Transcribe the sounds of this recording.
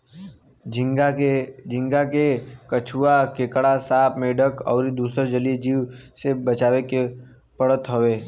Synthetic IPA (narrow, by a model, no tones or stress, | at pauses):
d͡ʒɪ̃ŋɡakekət͡ʃʰuakekɽasaːpmẽɖəkʰɔ̰ːɾid̪uːsəɾd͡ʒəlid͡ʒiːwsebət͡ʃaːʋeke | pəɽət̪ɦoʋeː